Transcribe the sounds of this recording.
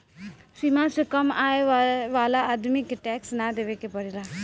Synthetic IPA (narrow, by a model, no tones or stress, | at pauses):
simãsekəmaːeʋaːlaaːd̪mikeʈɛːksnad̪eːʋekepəɾiɾaː